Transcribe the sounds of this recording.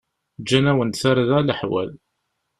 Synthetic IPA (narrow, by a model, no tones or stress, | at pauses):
d͡ʒːænæwənd̪θaɾðaləħwæ̰ð